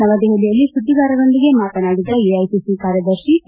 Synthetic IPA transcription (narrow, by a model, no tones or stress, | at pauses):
nɐʋɐd̪iɦelijɐlːisuʈːiɡaːɾɐdo̞nd̪iɡe̞maːt̪ɐnaːɡid̪ːɐeɐjsisikaːɾjɐd̪ɐɾʂi